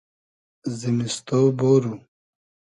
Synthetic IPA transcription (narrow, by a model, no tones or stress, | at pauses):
zimist̪owboːɾu